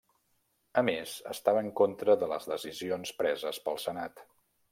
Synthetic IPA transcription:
əmezə̰st̪aβəːŋkont̪ɾəðələ̰zðəzizionspɾɛzəspəlˠsənat̪

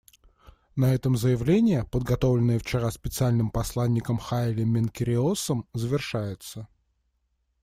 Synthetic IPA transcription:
nɐɛt̪əmzəjɪvlʲenʲɪjəpəd̪̚ɡɐt̪o̞vlʲɪnːəjəft͡ɕɪɾaspʲɪt̪sɨalʲnɨmpɐslˠanʲːɪkəmxaɪlʲɪmʲɪnkʲɪɾʲɪosəmzəvʲɪrʂajɪt̪sə

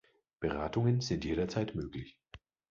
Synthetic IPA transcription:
b̥əʁaːtʊŋənzɪntjeːɾɐt͡saɪtmøːklɪç

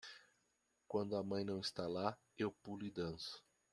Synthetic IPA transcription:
kwɐ̃nd̪ʊɐmɐ̃j̃nɐ̃w̃ɪst̪ala | ewpulʊɪd̪ɐ̃sʊ̥

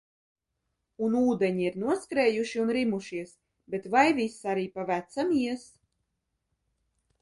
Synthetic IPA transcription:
unuːd̪eɲiiɾnuɔskɾɛːjuʃiunɾimuʃiɛs | bet̪vajvisaɾiːpavæt̪samiɛs

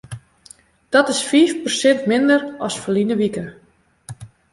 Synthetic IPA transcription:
d̥ɔtɪsfiːfpərsɪntmɪndərɔsfəlinəʋikə

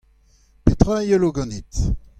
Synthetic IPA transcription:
pet̪ʁajəloɡɑ̃nit̪

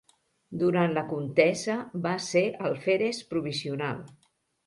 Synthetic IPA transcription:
d̪uɾant̪ləkunt̪ɛzəβaseʔəlˠfeɾespɾuβiziuna̰lˠ

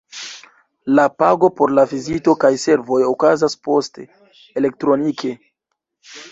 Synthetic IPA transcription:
lapaɡo̞po̞ɾlavizito̞kajse̞ɾvo̞jokazaspo̞ste | ele̞k̚tɾo̞nikʰe̞

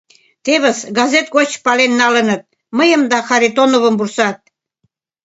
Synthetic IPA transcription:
t̪eβə̆sɡɑzet̪̚ɡot͡ɕpɑlenːɑlə̆nə̆t̪̚ | məjə̆md̪ɑxɑɾit̪onoβə̆mbursɑt̪̚

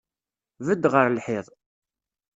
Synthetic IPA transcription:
vəd̪ːʁəɾlħɪðˤ

